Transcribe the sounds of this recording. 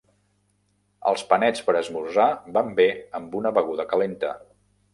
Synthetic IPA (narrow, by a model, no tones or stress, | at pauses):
ə̰lˠspənɛt͡spəɾəzmuzabambeəmbunəβəɣ̞uðəkəlent̪ə